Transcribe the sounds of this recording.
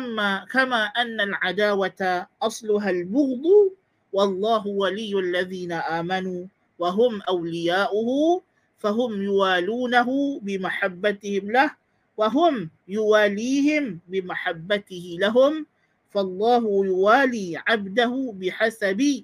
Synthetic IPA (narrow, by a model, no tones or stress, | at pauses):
aakamaːʔanːalʕad̪aːwat̪aʔɑsˤlʊɦalbʊɣd̪ˤuː | wɑlˤːɑːɦʊwalɪjːʊʔalːaðiːnaʔaːmanuː | waɦʊmʔawlɪjaːʔʊhʊ | faɦʊmjʊwaːluːnaɦʊbɪmaħabːat̪ɪhɪmlah | waɦʊmjʊwaːliːhɪmbɪmaħabːat̪ɪhɪlaɦʊm | fɑlˤːɑːɦʊjʊwaːliːʕabd̪ahʊbɪħasabɪ